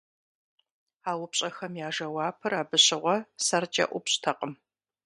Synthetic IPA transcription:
aːwʊpɕʼɐxɐmjaːʒɐwɑːpʰɨraːbɨɕɪʁʷɔsɐrt͡ʃʼɐ̰ʔʷʊpɕtʰɐqʼəm

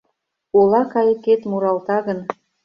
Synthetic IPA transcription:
olˠɑkɑjə̆ket̪muɾɑlt̪ɑɣə̆n

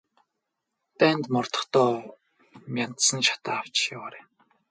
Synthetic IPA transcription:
t̪æːnt̪mɔrt̪ɞ̥̆χt̪ɔː | mʲan̥t̪sə̆nʃḁt̪aːaw̥t͡ɕjawaːɾeː

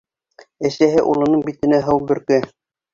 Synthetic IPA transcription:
æsæɦɘʔulˠɤ̆nɤɴbit̪ɘ̆næɦɤwbɵ̆ɾkɘ

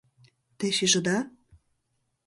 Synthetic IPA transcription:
t̪eʃiʒɤ̆d̪ɑ

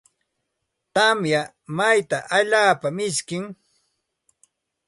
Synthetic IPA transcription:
t̪amja | majt̪aʔaʎaːpamɪskɪŋ

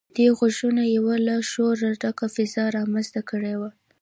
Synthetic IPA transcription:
d̪eɣʊʒunajawalaʃoɾaʈakafɪzɑɾɑmənzt̪akəɽewa

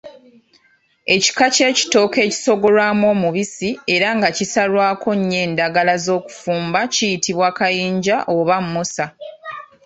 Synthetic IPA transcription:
e̞ci̥kace̞ːci̥to̞ːke̞ːci̥so̞ɡo̞lwaːmwo̞ːmuβisie̞ɾaŋɡacisalwaːkʰo̞ɲːe̞ːndaɡalazo̞ːku̥fuːmbacijitiβwaːkajiːɲɟaʔoβamːusa

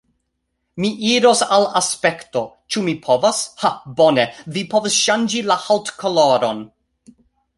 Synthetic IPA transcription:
miʔiɾosalaspekto | t͡ʃumipʰovashabonevipʰovasʃand͡ʒilahaltkʰoloɾon

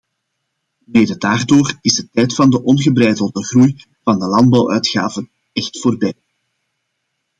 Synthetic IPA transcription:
meːdədaːrdoːrɪzdətɛjtfɑndəʔɔnɣəbrɛjdəlˠdəɣruj | vɑndəlɑnd̚bɑwʔœɥtxa̰ːvən | ɛxtfoːrbɛj

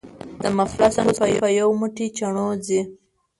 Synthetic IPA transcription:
d̪̥əmaflasaŋpajajawmuʈit͡ʃaɳod͡zi

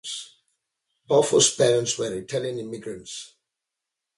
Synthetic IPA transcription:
s | b̥ɔfɔspɛɹə̃ntswɛɹitʰɛljə̃nɪmiɡɹə̃nts

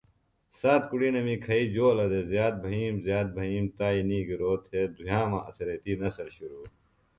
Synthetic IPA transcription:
saːt̪kuɽiːnɐmĩːkʰɐiːd͡ʑoːlɐd̪eːzjaːt̪̚bʱɐɦiːmzjaːt̪̚bʱɐɦiːmt̪aːiːniːɡiɾoːt̪ʰeːd̪ʱujãːmãːʔɐsɐɾet̪iːnɐsɐɾɕuɾuː

